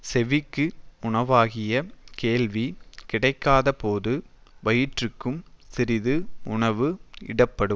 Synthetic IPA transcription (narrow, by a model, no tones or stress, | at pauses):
sɛʋɪkːɯʊɳɐʋaːɣɪjɐkeːlʋikɪɽɐɪkːaːðɐpoːðɯʋɐjɪʈrɯkːɯmsɪɾɪðɯʊɳɐʋɯɪ̰ɽɐpːɐɽɯm